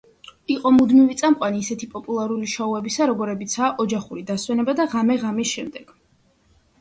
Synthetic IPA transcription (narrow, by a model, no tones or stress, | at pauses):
iqʼɔmud̪mivit̪sʼamqʼwaniːsɛt̪ʰipʼɔpʼulˠaɾuliʃauɛbisaɾɔɡɔɾɛbit̪sʰaːʔɔd͡ʒaχuɾid̪aswɛnɛbad̪aʁamɛʁamisʃɛmd̪ɛɡ̥